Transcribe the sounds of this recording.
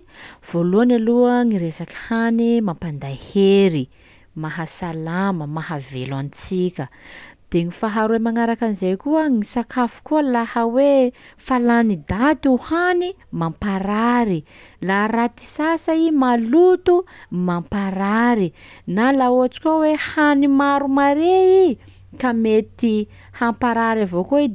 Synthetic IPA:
v̥oluanaluəŋiɾesaki̥hanimampand̪ajheɾi | maɦasalaməmaɦavḛlanit͡sikʲəd̪̥eŋifaɦaɾuemaŋaɾakanizejkuəŋisakʰafu̥kuəlahəwefalanid̪at̪iuhanimampaɾaɾi | laɾat̪i̥sasaimalut̪umampaɾaɾinalaoat͡si̥kʲowehanimaɾumaɾei | kamet̪i | hampaɾaɾavokoid̪

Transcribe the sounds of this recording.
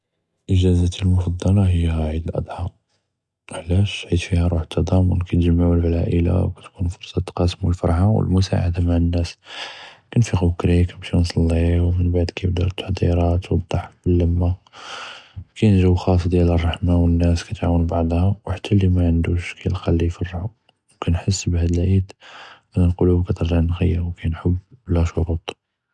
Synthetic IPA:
ʔəʒæzæt̪əlmʊfɑd̪ˤːɑlɑɦəjːæʕid̪əlʔɑ̰d̪ˤħɑ | ʔəħlæʃʕid̪fihæɾˤuħə̥t̪ʰːɑd̪ˤɑmwə̰nkæt̪ʒəmːaʕuəlbalæʔəla̰wkæt̪kunfoɾsˤɑt̪qɑsmwəlfɑ̰ɾˤħawə̰lmʊsa̰ʕa̰d̪amaʕənːæs | kænfiqukɾikæbʃinsˤɑlːiwmənbaʕd̪kæjbd̪ɑɾt̪ːḁħd̪ḭɾˤɑt̪wd̪ˤːɑħkbəlːəmːa | kʰæjnʒəwxɑsˤd̪jælərˤːɑħmawənːæskæt̪ʕawənbɑʕd̪ˤhɑwħḁt̪ʰːælimæʕənd̪uʃkæjlxɑlːijfɑrːħu | wkænħəsːbhæd̪əlʕid̪ʕænælqolubkæt̪əɾʒɑʕnɣəjːəwkænħəbblæʃoɾut̪ˤ

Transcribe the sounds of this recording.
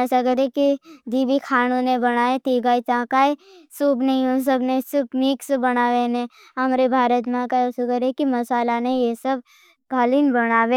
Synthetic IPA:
sɐɡəɾekid̪iːbikʰaːñõnebəɽ̃aːet̪iːɡaːit͡ʃãːkaːesuːbnɐĩõs̬əbnesʊbmiːksbənaːʋene | ɦɐmɾebʱaːɾət̪mãkaosuɡəɾekimɐsaːlanejesəb̚ | kaːliːnbəɽ̃aːʋe

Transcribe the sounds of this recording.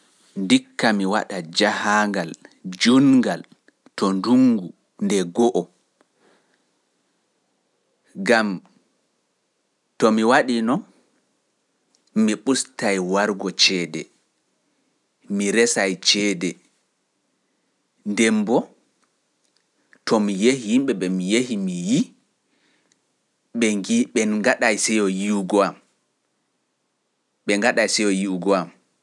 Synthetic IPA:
ndikːamiwa̰ɗad͡ʒahaːŋɡald͡ʒunŋɡal | tɔnduŋɡu | ndɛɡɔʔɔ | ɡam | tɔmiwaɗinɔn | iɓustajwaɾɡɔt͡ʃɛːdɛ̰ | miɾɛsajt͡ʃɛːdɛ | ndɛmbɔ | tʰɔmijehihimɓɛɓɛmijehimiji | ɓɛiɓɛnɡaɗajsɛjɔjiuɡɔam | ɓɛŋɡaɗajsɛjɔjiuɡɔam

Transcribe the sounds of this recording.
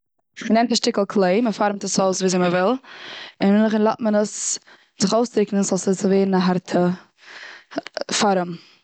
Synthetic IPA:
mənɛmtaʃtɪklˠkʰlˠeɪməfaɾmtəsoʊsviːzeməvɪlˠɪnmɪnlˠəχənlˠatmənəs | zɪχoʊstɾɪkn̩sasəsəveːɾn̩aɦaɾtʰə | faɾəm

